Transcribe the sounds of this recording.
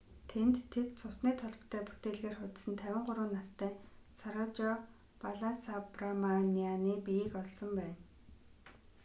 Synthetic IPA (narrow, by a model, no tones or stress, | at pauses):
t̪ʰent̪ʰːet̪t͡sʰʊsniːt̪ʰɔɮɞ̆pt̪ʰæːpu̥t̪eːɮɣeːrχʊt̪sɘ̆nt̪ʰæwʲɪ̆ɴɢʊɾʊːnːast̪ʰæːsaɾʊt͡ɕɔ | paɮasapramanianiːpijikɔɮsɞ̆mpæːn